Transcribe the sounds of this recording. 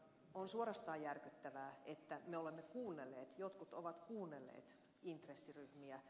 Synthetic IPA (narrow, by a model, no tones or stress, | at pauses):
onsuorɑst̪ɑːjjærkyt̪ːæʋæːet̪ːæmeolemːekuːnːelːeːt̪jot̪kut̪oʋɑt̪kuːnːelːḛːt̪ | int̪resːiryhmiæ